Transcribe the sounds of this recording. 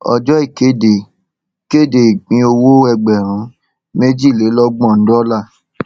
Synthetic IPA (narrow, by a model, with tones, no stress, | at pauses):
ɔ̰˧d͡ʒɔ˦i˦˨ke˨˦de˨ | ke˦˨de˨i˨ɡ͡bĩ˨˧˦o˧wo˦ɛ˧ɡ͡bɛ˨ɾ̃ũ˨˦ | me˦d͡ʒi˦˨le˨˦lɔ˦ɡ͡bɔ̃˦˨n̩˦dɔ˦la˦˨